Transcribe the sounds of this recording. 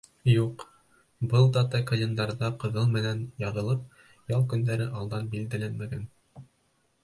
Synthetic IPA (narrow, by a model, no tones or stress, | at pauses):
juq | bɤlˠd̪ɑt̪ɑkɤ̆lʲɤ̆nd̪ɑɾðɑqɤ̆ðɤlˠmɘ̆nænjɑðɤ̆lˠɤp̚ | jɑlˠkɵ̆nd̪æɾɘʔɑlˠd̪ɑnbild̪ælænmæɡæn